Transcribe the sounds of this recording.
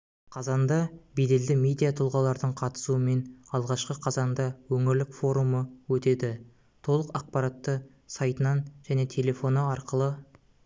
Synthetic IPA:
qʰɑzɑnd̪ɑbed̪e̞ld̪ɪmʲe̞d̪ijat̪ʰʊlˠʁɑlˠɑɾd̪əɴqʰɑt̪ə̥suəme̞nɑlˠʁɑʃqəqʰɑzɑnd̪ɑwɵŋɪɾlɪkfo̞ɾuməwɵt̪e̞d̪ɪ | t̪ʰo̞lˠəqɑq̚pɑɾɑt̪ːə | sɑjt̪ənɑnʒ̥æne̞t̪ʰe̞lʲe̞fo̞nəɑɾqəlˠə

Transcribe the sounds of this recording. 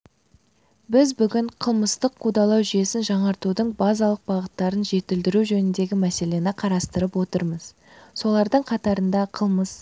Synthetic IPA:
bɪzbʏɡʲɪɴqʰəlˠməst̪əqʰːud̪ɑlˠɑwʒʏje̞sɪnʒɑɴɑɾt̪ud̪əɴbɑzɑlˠəq̚bɑʁət̪ːɑɾənʒe̞t̪ɪld̪ɪɾuʒɵnɪnd̪e̞ɡʲɪmæse̞le̞nɪqʰɑɾɑst̪əɾəpwo̞t̪əɾməz | so̞lˠɑɾd̪əɴqʰɑt̪ɑɾənd̪ɑqʰəlˠməs

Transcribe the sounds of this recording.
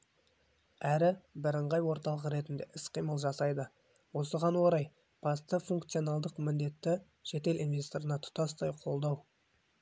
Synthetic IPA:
æɾɪbɪɾəɴʁɑjwo̞ɾt̪ɑlˠəqəɾe̞t̪ɪnd̪e̞ʔɪsqʰijməlˠʒɑsɑjd̪ə | wo̞səʁɑnwo̞ɾɑj | b̥ɑst̪əfuŋkt̪sijo̞nɑlˠd̪əqmɪnd̪e̞t̪ːɪ | ʃe̞t̪e̞linvʲe̞st̪o̞ɾənɑt̪ʰʊ̥t̪ɑst̪ɑjqʰo̞lˠd̪ɑw

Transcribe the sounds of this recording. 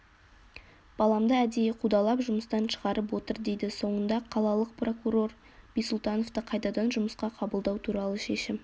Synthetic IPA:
b̥ɑlˠɑmd̪əæd̪ejeqʰud̪ɑlˠɑpʒʊməst̪ɑnʃəʁɑɾəp̬wo̞t̪əɾd̪e̞jd̪ɪso̞ɴənd̪ɑqʰɑlˠɑlˠəq̚pro̞kuɾo̞r | b̥ijsʊlˠt̪ɑno̞ft̪əqʰɑjt̪ɑd̪ɑnʒʊməsqɑqʰɑbəlˠd̪ɑwt̪ʰuɾɑlˠəʃe̞ʃɪm

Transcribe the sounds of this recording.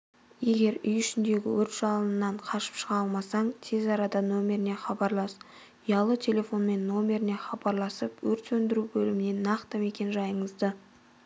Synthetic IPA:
je̞ɡʲe̞ɾʏjʏʃɪnd̪e̞ɡʲɪ̰wɵɾt̪ʒ̥ɑlˠənənːɑɴqʰɑʃə̥pʃəʁɑlˠmɑsɑɴt̪ʰe̞zɑɾɑd̪ɑno̞mʲe̞ɾɪne̞χɑbɑɾlˠɑs | ijɑlˠət̪ʲʰe̞lʲe̞fo̞nme̞nːo̞mʲe̞ɾɪne̞χɑbɑɾlˠɑsəpwɵɾt̪sɵnd̪ɪɾubɵlɪmɪne̞nɑqt̪əme̞kʲe̞nʒɑjəɴəzd̪ə

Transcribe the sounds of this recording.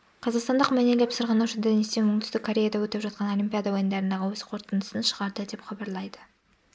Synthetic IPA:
qʰɑzɑqst̪ɑnd̪əqmæneɡʲepsəɾʁɑnuʃɪnd̪enest̪enmʊɴt̪ʰʏst̪ɪkʰːo̞ɾʲe̞jad̪awɵt̪epʒɑt̪̚qɑno̞lʲimʲpʲijad̪awojənd̪ɑɾənd̪ɑʁəwɵz̥qʰo̞ɾt̪ənd̪əsənʃəʁɑɾd̪əd̪e̞pχɑbɑɾlˠɑjd̪ə

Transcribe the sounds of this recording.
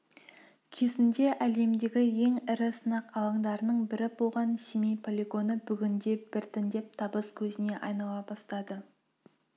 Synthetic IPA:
kʲʰe̞sɪnd̪e̞ʔæle̞md̪e̞ɡʲɪje̞ŋɪɾɪsənɑqɑwˠɑɴd̪ɑɾənəɴbɪɾɪbolˠʁɑnsimejpʰolʲeɡo̞nəbʏɡʲɪnd̪e̞b̥ɪɾt̪ʰɪnd̪e̞p̚t̪ʰɑbəskʲʰɵzɪne̞ʔɑjnɑw̪ˠɑbɑst̪ɑd̪ə

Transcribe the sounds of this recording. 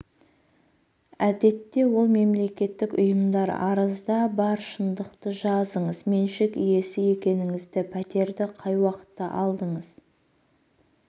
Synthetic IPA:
æd̪e̞t̪ːe̞wo̞lˠme̞mle̞kʲe̞t̪ːɪkʊ̰jəmd̪ɑɾɑ̰ɾəzd̪ɑbɑɾʃənd̪əqt̪əʒɑzəɴəzme̞nʃɪkije̞sɪje̞kʲe̞nɪŋɪzd̪ɪpʰæt̪e̞ɾd̪ɪqʰɑjwɑqə̥t̪ːɑ̰ʔɑlˠd̪əɴəz̥

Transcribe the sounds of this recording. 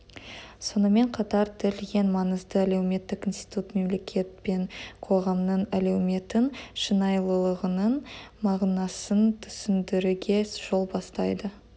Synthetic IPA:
so̞nəme̞ɴqʰɑt̪ɑɾd̪ʰɪɾlɡʲe̞nmɑnəzd̪əælewme̞t̪ːɪkinst̪i̥t̪ut̪me̞mle̞kʲʰe̞t̪̚pe̞ɴqʰo̞ʁɑmnəɴælewme̞t̪ɪnʃənɑjlˠəlˠəʁənənmɑʁnɑsənt̪ʰʏ̥sɪnd̪ɪɾuɡʲe̞ʒ̥o̞lˠbɑst̪ɑjd̪ə

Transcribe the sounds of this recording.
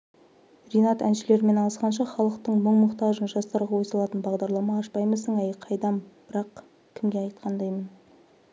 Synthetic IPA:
rʲijnɑt̪æ̰nʃɪle̞ɾɪme̞nɑəsqɑnʃ̬ɑχɑlˠəqt̪əɴməɴmʊqt̪ɑʒənʒɑst̪ɑɾʁɑwo̞sɑlˠɑt̪ənbɑʁd̪ɑɾlˠɑmɑːʃpɑjməsəɴæjqʰɑjd̪ɑmb̥ɪɾɑq | kʲʰɪmɡʲeɑjt̪̚qʰɑnd̪ɑjmən

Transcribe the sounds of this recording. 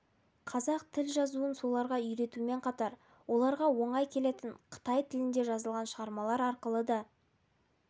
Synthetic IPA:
qʰɑzɑq̚t̪ʰɪlʒɑzuənso̞lˠɑɾʁɑʏjɾe̞t̪ume̞ɴqʰɑt̪ɑɾ | wo̞lˠɑɾʁɑwo̞ɴɑjkʲʰe̞le̞t̪ɪɴqʰə̥t̪ɑjt̪ʰɪlɪnd̪e̞ʒɑzəlˠʁɑnʃəʁɑɾmɑlˠɑɾɑɾqəlˠəd̪ɑ

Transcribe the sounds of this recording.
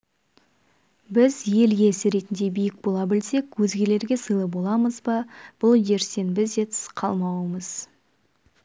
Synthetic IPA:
bɪzje̞lɡʲesɪɾe̞t̪ɪnd̪e̞bijɪk̚bo̞lˠɑbɪlse̞kwɵzɡʲe̞le̞ɾɡʲe̞səjlˠəbo̞lˠɑməzbɑb̥ʊlˠje̞ɾse̞nbɪze̞t̪sə̥qʰɑlˠmɑwəməz̥

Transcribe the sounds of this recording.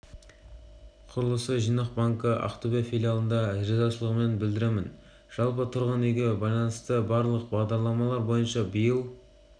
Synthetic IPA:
qʰʊɾəlˠəsəʒijnəq̚bɑŋkəʔa̰qt̪obʲijafʲilʲijalˠənd̪ɑʒezɑʃəlˠəʁəme̞nbɪld̪ɪɾemɪn | ʒ̥ɑlˠp̬ət̪ʰʊɾʁənejɡʲebɑjlˠɑnəst̪əbɑɾlˠəqbɑʁd̪ɑɾlˠɑmɑlˠɑɾbo̞jənʃɑbəjəlˠ

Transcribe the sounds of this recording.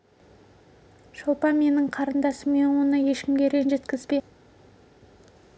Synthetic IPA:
ʃolˠpɑme̞nɪɴqʰɑɾənd̪ɑsəmme̞nwo̞nəje̞ʃkʲɪmɡʲe̞ɾe̞nʒe̞t̪kʲɪzbe

